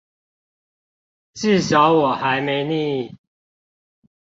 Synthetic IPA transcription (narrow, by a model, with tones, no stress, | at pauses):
ʈ͡ʂ̩˥˨ɕɑ˨˦ʊwɔ˨˩xa˨˦ɪme˨˦ɪni˥˧˨i˥˩˨